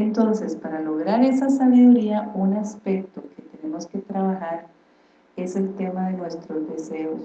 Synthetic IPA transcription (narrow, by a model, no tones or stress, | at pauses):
ent̪o̞nse̞spaɾalo̞ɣɾaɾe̞sasaβiðuɾiaunaspe̞k̚t̪oke̞t̪e̞ne̞mo̞ske̞t̪ɾaβaxaɾ | e̞se̞lt̪e̞maðe̞nwe̞st̪ɾo̞zd̪e̞se̞os